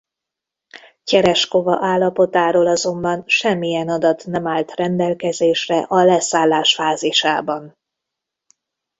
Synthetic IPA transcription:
cɛɾɛʃko̞vɒʔaːlːɒpo̞t̪aːɾoːlɒzo̞mbɒnʃɛmːijɛnɒd̪ɒt̪nɛmaːlt̪rɛnd̪ɛlkɛzeːʃrɛʔɒlɛsaːlːaːʃfaːziʃaːbɒn

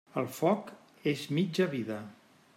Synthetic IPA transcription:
əlˠfɔk | ezmid͡ʒəβiðə

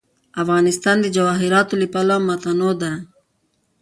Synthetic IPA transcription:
afɣɑnɪst̪ɑnd̪əd͡ʒawɑɦɪɾɑt̪olipalamat̪anod̪a

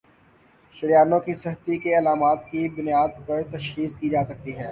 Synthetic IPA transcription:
ʃɐɾjaːnõkisɐɦət̪ikeɐlaːmaːt̪kibʊnjaːd̪̚pɐɾt̪ɐʃxiːskid͡ʒaːsɐk̚t̪iɦɛː

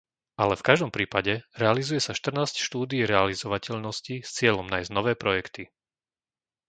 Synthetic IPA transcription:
ʔalɛfkaʒd̪ɔmpɾiːpaɟɛɾɛalizujɛsaʃt̪r̩naːscʃt̪uːd̪iːɾɛalizɔʋacɛʎnɔscist͡sɪɛʎɔmnaːjznɔʋɛːpɾɔjɛkt̪i

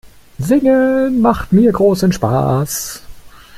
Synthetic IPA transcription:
zɪŋəmaχtmiːɐɡʁoːsənʃpa̰ːs

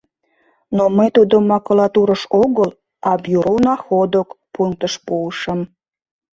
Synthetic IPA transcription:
noməjt̪ud̪omːɑkulɑt̪uɾəʃoɣəl | ɑbjuɾonɑxod̪okpuŋk̚t̪əʃpuəʃəm

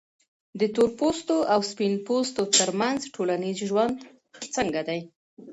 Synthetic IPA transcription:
d̪ət̪oɾpost̪oʔawspinpost̪ot̪əɾmanzʈʰolanizʒwand̪ | xət͡səŋɡad̪aj

